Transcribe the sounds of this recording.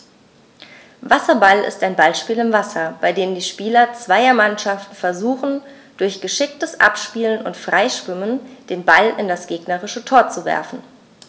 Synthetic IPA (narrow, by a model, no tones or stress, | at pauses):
vasɐbalɪ̰staɪnbalʃpiːlɪmvasɐb̥aɪdeːmndiːʃpiːlɐt͡sv̥aɪɐmanʃaftn̩fɛɐzuːχn̩ | d̥ʊɐçɡ̥əʃɪk̚təsʔa̰pʃpiːlənʊ̰ntfʁ̥aɪʃv̥ɪmənd̥eːnbalɪndasɡ̥eːɡnɐʁɪʃətʰoːɐt͡suvɛ̰ɐfn̩